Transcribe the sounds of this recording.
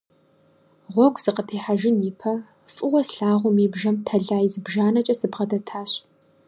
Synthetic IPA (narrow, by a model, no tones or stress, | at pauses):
ʁʷɔɡʷz̥ɨqətʰeːħaʒɪniːpʰɐ | fʼɨwɐsɬaːʁʷʊmiːbʒɐmtʰɐɮaːjizɨbʒaːnɐt͡ʃʼɐsɨbʁɐdɐtʰaːɕ